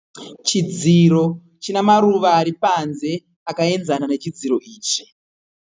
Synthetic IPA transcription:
t͡ʃid͡ziɾo̞ | t͡ʃinamaɾuʋaːɾipanze̞ | akae̞nd͡zananet͡ʃid͡ziɾo̞iːt͡ʃi̥

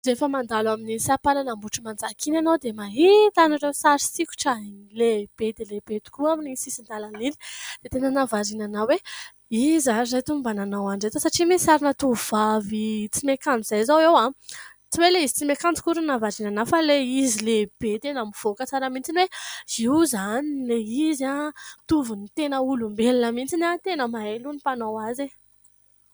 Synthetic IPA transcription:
zefəmand̪alwaminisapalanambuʈ͡ʂimand͡zakʰinanowd̪emaɦit̪anarewsaɾi̥sikʲu̥ʈ͡ʂaleb̥ed̪eleb̥et̪u̥kuaminisisind̪alanini̥d̪̥et̪enənavaɾinanawe | izazajt̪umbananawaɳɖ͡ʐet̪əsaʈ͡ʂimisaɾinat̪uv̥avit͡simekamd͡ziz̥ajzawewa | t͡siweleizi̥t͡simekamt͡si̥kuɾunavaɾinanafaleizileb̥et̪enamiv̥okət͡saɾəmint͡sinweiwzanileizat̪uvunit̪enəulumbelinəmint͡sinat̪enəmaelunipanawaze

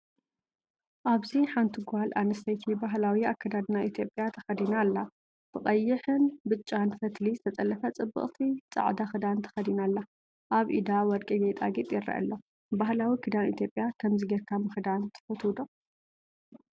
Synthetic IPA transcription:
ʔaβziħant̪ʰiɡʷalʔanɐst̪ʰɐjt̪ʰibaɦlawiakʰːad̪ad̪naʔit̪ʰjo̞pʼjat̪ʰɐxɐd̪inalːa | t̪ʰɨχʼɐjːɨħɨnbɨt͡ʃʼːanfɐt̪lizɨt̪ʰɐt͡s̪ʼɐlːɐfɐt͡sʼɨbːɨ̰χʼt̪ʰit͡sʼa̰ʕd̪axɨd̪ant̪ʰɐ̥xɐd̪inalːa | ʔaβʔḭd̪awɔd̪kʼɐɡejt̪ʼa̰ɡit̪ʼjɪɾɐ̰ʔɐ̰lːo | baɦlawikʰɨd̪anit̪ʰjopʼjakʰɐmziɡɐɾkʰamɨxɨd̪ant̪ʰɨ̥fɐt̪ʰuwd̪o

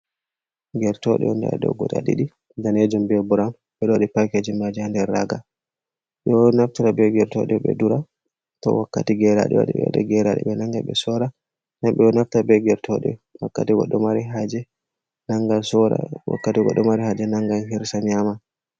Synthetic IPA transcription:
ɡɛɾtɔɗɛɔndɛ̰ɗɔ̰ɡɔɗa̰ɗḭɗi | daned͡ʒumbɛbuɾam | ɓɛɗoɗipajked͡ʒimad͡ʒihandɛɾːaɡa | ɓɛnaftiɾabɛɡɛɾtɔ̰ɗɛɓɛ̰duɾa | tɔ̰wakːatiɡɛɾa̰ɗɛ̰wa̰ɗiɓɛw̰ɗɛ̰ɡɛɾaɗɛ̰ɓɛnaŋɡaɓɛsɔɾa | namɓɛɔnaftabɛɡɛɾtʰɔɗɛ̰wakːatiwɔɗɔmaɾiɦad͡ʒɛ | naŋɡasɔɾa̰wa̰kːatiɡɔ̰ɗɔmaɾihad͡ʒɛnaŋɡanhiɾsaɲama

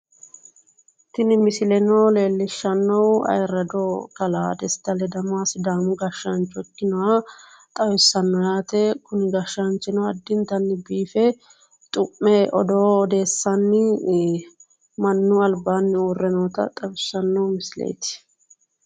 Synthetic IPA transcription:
t̪ɪnɪmɪsɪlɛnoːle̞ːlːɪʃːɐnːɔwɐ̰jɾɐd̪okɐla̰ːd̪ɛst̪ːɐlɛd̪ɐmaːsɪd̪aːmʊɡɐʃːɐnt͡ʃːɔɛkːɪnɔwa | t̪ʼɐwɪsːɐnːɔjaːt̪ɛkʊnɪɡɐʃːɐnt͡ʃɪnɔwɐd̪ːɪnt̪ɐnːɪbiːfɛ | t̪ʼʊmːɛʔɔd̪oːd̪e̞ːsːɐnːɪ | mɐnːʊɐlbaːnːɪuːrːɛnoːt̪ɐ̰t̪ʼɐwɪsːɐnːɔwmɪsɪlḛːt̪ɪ̥

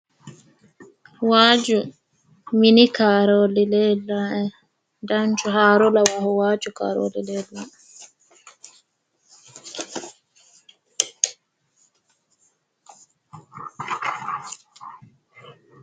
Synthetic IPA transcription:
waːd͡ʒu | minikaːɾoːlileːlːaːʔɛ | dant͡ʃuɦaːɾolɐwahuwaːt͡ʃuka̰ːɾo̰ːlileːlːaː

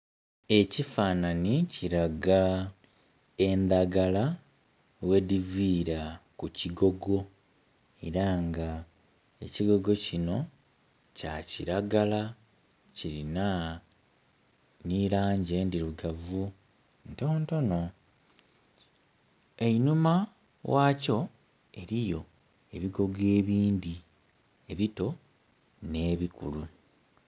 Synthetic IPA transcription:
e̞cifaːnaniciɾaɡa | e̞nd̪aɡala | we̞diviːɾakuciɡo̞ɡo̞ | e̞ɾaŋɡa | e̞ciɡo̞ɡo̞cino̞ | caciɾaɡala | ciɾina | nilaːɲɟe̞ndiɾuɡavu | nto̞ːnto̞no̞ | e̞inuma | wʔaːco̞ | e̞ɾijo̞ | e̞βiɡo̞ɡe̞ːβiːndi | e̞βito̞ | ne̞ːβikulu

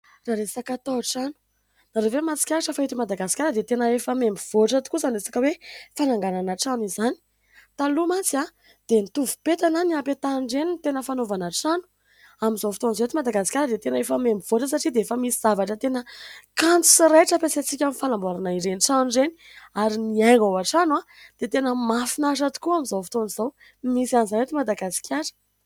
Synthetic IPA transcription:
raɾesakat̪oʈ͡ʂanu̥ | naɾovemat͡si̥kʲaaʈ͡ʂəfaɦit̪imad̪aɡasi̥kʲaɾəd̪et̪enəefəmembiv̥oʈ͡ʂət̪u̥kuzaniresḁkəwefanaŋɡananaʈ͡ʂanizani̥ | t̪alumat͡sia | d̪̥enit̪uvupet̪ananiapet̪anɳɖ͡ʐenint̪enəfanovanaʈ͡ʂanu̥ | amizawfi̥t̪onizoet̪imad̪aɡasi̥kʲjaɾəd̪et̪enefəmemiv̥oʈ͡ʂəs̬aʈ͡ʂid̪eefəmisiz̥avaʈ͡ʂət̪enəkant͡su̥siɾeʈ͡ʂəpesat͡sikʲamifanambaɾanaiɾeniʈ͡ʂanuɳɖ͡ʐeniaɾiniaɡawaʈ͡ʂanwa | d̪̥et̪enəmafinaʂ̬at̪u̥kuamizawfi̥t̪onizaw | misanzanet̪imad̪aɡasi̥kʲʰaɾə̥

